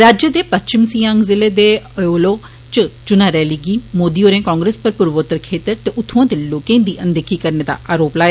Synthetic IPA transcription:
ɾaːd͡ʒjəd̪eːpətt͡ʃɪmsiːãːŋɡzɪleːd̪eːəjoːloː | t͡ʃət͡ʃʊnaːɾɛːliɡiːmoːd̪iːoːɾẽːkɔ̃ːŋɡɾeːspəɾpʊɾʋoːt̪ːəɾkʰeːt̪əɾt̪eːʔʊt̪ʰũãːd̪eːloːkẽːd̪iːʔə̃nd̪əkʰiːkəɾneːd̪a̰ːʔaːɾoːplaːe

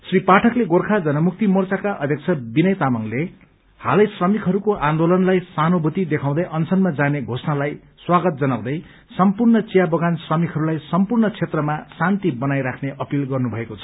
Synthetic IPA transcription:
sripaʈʰʌkleɡorkʰad͡zʌnʌmuk̚t̪imʌrt͡sakaʔʌd̪ʱjʌk̚t͡sʰʌbinʌjt̪amʌŋle | ha̰lʌjsrʌmikɦʌɾukoʔãnd̪olʌnlajsanobʱut̪id̪ekʰãw̃d̪ʌjʔʌnsʰʌnmad͡zaneɡʱosnalaj | swaɡʌt̪̚d͡zʌnaw̃d̪ʌj | sʌmpurnʌt͡sijabʌɡansrʌmikɦʌɾulajsʌmpurnʌt͡sʰet̪rʌmasant̪ibʌnajɾakʰneʔʌpilɡʌrnubʱʌekot͡sʰʌ̥

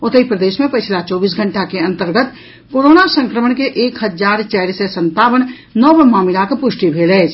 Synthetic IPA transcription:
ot̪əipɾəd̪esmepət͡ʃʰlat͡ʃɔbiːsɡʱəɳʈakeənt̪əɾɡət̪ | koɾonasəŋkɾəməɳkeʔeːkɦəd͡ʒaɾt͡ʃɛɪɾsesənt̪abən | nɔbmaːmilakpuʃʈibʱelɛɪt͡ʃʰ

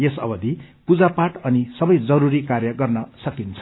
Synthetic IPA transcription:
jesʌ̰bʌd̪ʱipud͡zapaʈʌnisʌbʌjd͡zʌɾuɾikarjʌɡʌrnʌsʌkint͡sʰʌ̥

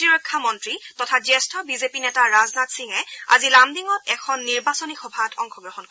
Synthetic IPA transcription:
tiɹɔkʰːamɔntɹitɔtʰazɛstʰɔbizepinɛtaɹaznatsiŋɛa̰zilamdiŋɔtɛkʰɔnːiɹbasɔnixɔbʱatʰɔŋxɔɡɹɔhɔnkɔ

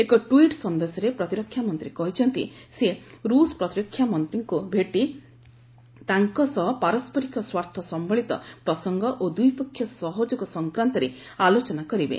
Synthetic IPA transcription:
ekɔʈwiʈsɔnd̪esɔɾepɾɔt̪iɾɔkʰːjamɔnt̪ɾikɔɦit͡ʃʰɔnt̪ḭseɾuspɾɔt̪ɾɔkʰːjamɔnt̪ɾiŋkubʱeʈi | t̪aŋkɔsɔɦɔpaɾɔspɔɾikɔswaɾt̪ʰɔsɔmbɔɭit̪ɔpɾɔsɔŋɡɔʔod̪ujpɔkʰjɔsɔɦɔd͡ʒɔkɔsɔŋkɾant̪ɔɾe | alot͡ʃɔnakɔɾibḛ

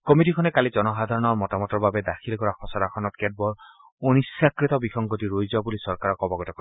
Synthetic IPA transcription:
kɔmitikʰɔnɛkalid͡ʒɔnɔxad̪ʱaɹɔnɔɹmɔtamɔtɔɹbabɛdaxʰilkɔɹaxʰɔsaɾakʰɔnɔt̚kɛd̚bɔɹ | onisakɹit̪ɔbixɔŋɡɔtiɹojzabulisɔɹkaɹɔkɔbɔɡɔtɔkɔ

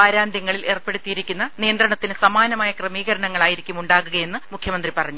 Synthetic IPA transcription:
aːɾaːnd̪ʱjɐŋːɐɭilʔe̞ːrpːe̞ɽut̪ːijiɾikʲːunːɐnijɐnd̪rɐɳɐt̪ːinɨsɐmaːnɐmaːjɐkremiːɣɐɾɐɳɐŋːɐɭaːjiɾikʲːumuɳɖaːɣuɣɐje̞nːɨmukʰjɐmɐnd̪ripɐrɐɲːu

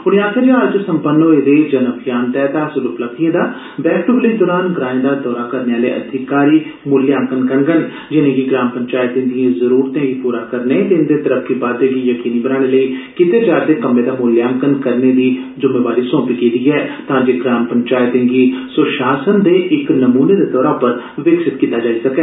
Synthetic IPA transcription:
ʊɽ̃ijãːk̪əɾjaəɾd͡ʒsəmpənːoeːd̪eːd͡ʒənəbjaːnt̪ɛːt̪aːsʊluplək̚t̪ijãːd̪aː | bɛːʈuːkləiːd̪ɔːɾaːnɡɾãːẽːd̪aːd̪ɔːɾaːkəɾneːaːlḛːʔə̰d̪ʱɪkaːɾiːmʊljaːŋkənkəŋɡən | d͡ʒɪnẽːɡiɡɾaːmpəɲt͡ʃaːɪt̪ɪ̃ːd̪ijẽːzəɾuːɾt̪ẽːɡiːpuːɾaːkəɾneːt̪end̪eːt̪əɾəkʰːiːbaːd̪eːɡiːjəkiːniːbənaːɽ̃eːləiːkɪt̪eːd͡ʒaːɾd̪eːkəmːẽːd̪aːmuːljaːə̃ŋkənkəɾneːd̪iː | d͡ʒʊmeːʋaːɾiːsɔ̃ːpiːkeːd̪iːɛːt̪ãːd͡ʒeːɡɾaːmpəɲt͡ʃaːɪt̪ẽːɡiːsʊʃaːsənd̪eːʔɪknəmuːneːd̪eːd̪ɔːɾaːpəɾ | ʋɪksɪt̪kiːt̪ːaːd͡ʒaːiːsəkɛː

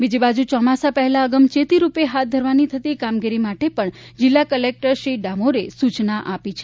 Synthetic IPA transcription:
bid͡ʒibad͡ʒut͡ʃɔmasapəɦɛlaəɡəmt͡ʃet̪iɾupeɦat̪̚d̪ʱəɾʋanit̪ʰət̪ikamɡiɾimaʈepəɳ | d͡ʒɪlːakəlek̚ʈəɾʃɾiɖamoɾesut͡ʃnaʔapit͡ʃʰe

